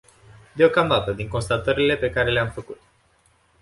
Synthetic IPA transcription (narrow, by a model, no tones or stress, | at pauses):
d̪e̞o̞kamd̪at̪əd̪iŋko̞nst̪at̪əɾile̞pe̞kaɾe̞le̞amfəkut̪̚